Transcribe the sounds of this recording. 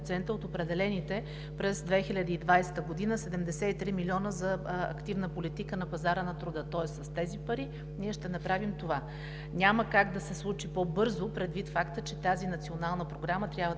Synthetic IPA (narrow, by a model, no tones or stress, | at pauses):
t̪sɛnt̪əot̪opɾɛd̪ɛlɛnit̪ɛ | pɾɛzd̪vɛxilʲad̪əid̪vajsɛ̥t̪əɡod̪inəsɛd̪ɛmd̪ɛsɛit̪ɾimilʲiɔnəzɐɐ̰kt̪ivnəpolit̪ikənɐpɐzaɾənɐt̪ɾʊd̪ət̪ɔɛsːɐst̪ɛzipɐɾi | niɛʃt̪ɛnɐpɾavimt̪ova | nʲaməkaɡd̪ɐsɛslˠut͡ʃipobɤɾzopɾɛd̪vit̪fakt̪ət͡ʃɛt̪azinɐt̪sʲionalˠnəpɾoɡɾamət̪ɾʲjabvə